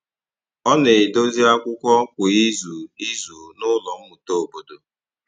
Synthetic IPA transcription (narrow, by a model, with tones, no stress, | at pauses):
ɔ˦ne˨do˦zi˦a˦kʷʊ˦kʷɔ˦kʷʊ˨i˦zu˨i˦zu˨nʊ˦lɔ˨m̩˦mu˨to˦o˨bo˨do˨